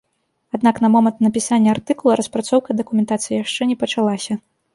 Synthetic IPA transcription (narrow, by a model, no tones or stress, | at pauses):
ad̪naknɐmɔmɐnt̪nɐpʲisanʲːɐart̪ɨkulˠɐɾɐspɾat̪sɔwkɐd̪ɐkumʲɛnt̪at̪sɨjjaʂt͡ʂɛnʲɛpɐt͡ʂalˠasʲɐ